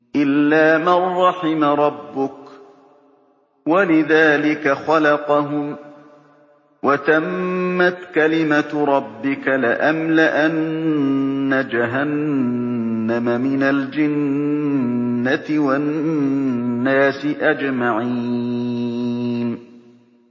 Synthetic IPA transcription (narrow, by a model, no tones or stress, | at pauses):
ʔɪlːaːmarˤːɑħɪmaɾˤɑbːʊk | walɪðaːlɪkaxalɑqɑɦʊm | wat̪amːat̪kalɪmaɾˤɑbːɪkalɪʔamlaʔanː | ad͡ʒaɦanː | amamɪnald͡ʒan | at̪ɪwanː | aːsɪʔad͡ʒmaʕi | n